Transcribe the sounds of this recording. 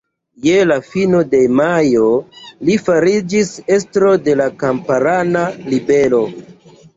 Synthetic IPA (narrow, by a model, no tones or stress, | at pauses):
je̞lafino̞de̞majo̞lifaɾid͡ʒise̞stɾo̞de̞lakampaɾanalibe̞lo̞